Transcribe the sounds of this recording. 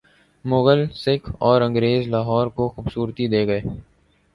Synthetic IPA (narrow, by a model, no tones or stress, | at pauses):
mʊɣəlsɪkʰɔːɾɐ̃ŋɡɾeːzlaːɦɔːɾkoxʊbsuːɾt̪id̪eːɡɐeː